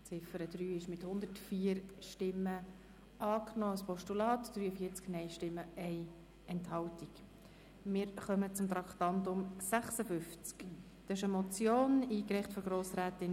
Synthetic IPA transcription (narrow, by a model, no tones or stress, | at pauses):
t͡sɪfəɾəd̥ɾyːɪʃmɪthʊnd̪ətfiːəɾʃtɪmːə | ʔɑːknɔːɑspɔʃtulɑːtd̥ɾyːəfiːəɾt͡sknɛɪʃtɪmːəɛɪ | ɛnthɑltik | mɪːɾχœmət͡sʊmt̪ɾɑktɑntʊmsæχsəfʏnft͡sk | d̪̥ɑɪʃəmɔt͡sjoːniːkɾɛɪχtfɔɡɾoːsɾæːtɪn